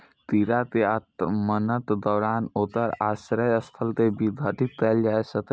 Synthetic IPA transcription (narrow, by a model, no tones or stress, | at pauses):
t̪iɾat̪eatmənət̪d̪ɔːɾaːnoːt̪əɾasɾəjəst̪ʰəlt̪ebʱid̪ʱəʈit̪ːɛld͡ʒaːesət̪ə